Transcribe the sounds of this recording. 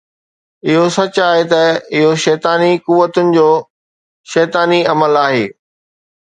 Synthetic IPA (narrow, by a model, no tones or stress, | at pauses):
ɪɦosɐt͡ɕʊaːɦet̪ɐɪɦoʃɛːt̪aːnikuʋːət̪ʊnɪ̆d͡ʑoː | ʃɛːt̪aːniɐməlaːɦeː